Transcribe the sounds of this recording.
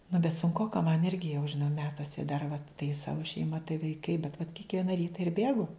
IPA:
nʊ bʲɛt sʊŋˈkoːkɐ mɐn ˈɪrʲɡʲɪ jɛʊ ʒʲɪˈnɐʊ ˈmʲæːtuɔsʲɛ dɐr ʋɐt tɐɪ ˈsɑːʋʊ ʃʲɛɪˈmɐ tɐɪ ʋɐɪˈkɐɪ bʲɛt ʋɐt kʲɪkˈʋʲiɛnɐ ˈrʲiːtɐ ɪr ˈbʲeːɡʊ

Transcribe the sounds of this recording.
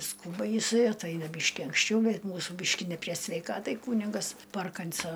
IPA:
ˈskuːbɐ jɪˈsɐɪ ɐtˈɐɪnɐ ˈbʲiːʃʲkʲɪ ɐŋksʲˈt͡ʃʲɛʊ ˈbʲɛt ˈmuːsuː ˈbʲiːʃʲkʲɪ nʲɛ pʲrʲiɛ sʲʋʲɛɪˈkɑːtɐɪ ˈkuːnʲɪɡɐs ˈpɐrkɐnˌsoː

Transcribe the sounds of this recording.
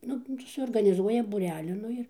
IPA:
ˈnʊ tɐɪ suɔrɡɐnʲɪˈzuɔjɛ buːˈrʲæːlʲiː ˈnʊ ɪr

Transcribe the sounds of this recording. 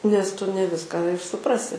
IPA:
nʲɛs ˈtʊ nʲɛ ˈʋʲɪskɑː ɪr sʊˈprɑːsʲɪ

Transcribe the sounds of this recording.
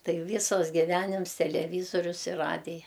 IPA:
ˈtɐɪ ˈʋʲiːsɐs ɡʲɪˈʋʲæːnʲɪms tʲɛlʲɛˈʋʲiːzoːrʲʊs ɪr ˈrɑːdʲɪjɛ

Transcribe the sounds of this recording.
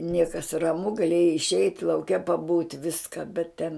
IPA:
ˈnʲiɛkɐs rɐˈmʊ ɡɐˈlʲeːjɛɪ ɪʃʲˈɛɪtʲ lˠɐʊˈkʲɛ pɐˈbuːtʲ ˈʋʲɪskɐ bʲɛt tʲɛn

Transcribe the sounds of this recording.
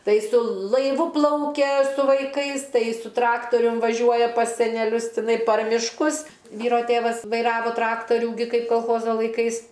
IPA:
ˈtɐɪ sʊ lˠɐɪˈʋʊ ˈplˠɐʊkʲɛ sʊ ʋɐɪˈkɐɪs tɐɪ sʊ ˈtrɑːktoːrʲʊm ʋɐˈʒʲuɔjɛ pɐs sʲɛnʲɛˈlʲʊs tʲɪˈnɐɪ pɐr mʲɪʃˈkʊs ˈʋʲiːroː ˈtʲeːʋɐs ʋɐɪˈrɑːʋoː ˈtrɑːktɐrʲuː ɡʲɪ ˈkɐɪp koːlˠˈxoːzoː lˠɐɪˈkɐɪs

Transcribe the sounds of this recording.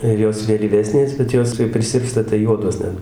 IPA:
ɪr ˈjoːs ʋʲeːlʲiːˈʋʲæːsʲnʲeːs bʲɛt ˈjoːs kɐɪ pʲrʲɪˈsʲɪrpstɐ tɐɪ ˈjuɔdoːs ˈnʲɛt

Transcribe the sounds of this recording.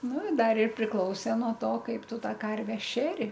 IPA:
ˈnʊ ɪ ˈdɐr ɪr pʲrʲɪˈklˠɐʊsʲeː nuɔ ˈtoː ˈkɐɪp ˈtʊ ˈtɑː ˈkɐrʲʋʲɛ ˈʃʲæːrʲɪ

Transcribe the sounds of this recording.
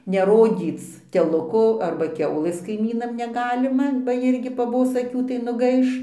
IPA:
nʲɛˈroːdʲiːt͡s tʲɛˈlˠʊkoː ˈɐrbɐ ˈkʲɛʊlʲeːs kɐɪˈmʲiːnɐm nʲɛˈɡɑːlʲɪmɐ bɐ ˈjɪrʲɡʲɪ pɐˈboːs ɐˈkʲuː tɐɪ nʊˈɡɐɪʃ

